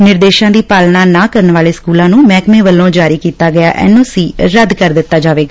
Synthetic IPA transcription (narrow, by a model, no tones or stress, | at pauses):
nɪɾd̪eːʃãːd̪iːpaːlnaːnaːkəɾənʋaːleːskuːlãːnũːmɛːkmẽːʋəlːõːd͡ʒaːɾiːkiːt̪aːɡɪja̰ːʔɛ̰ːnõːsiːɾəd̪kəɾd̪ɪt̪ːaːd͡ʒaːʋeːɡaː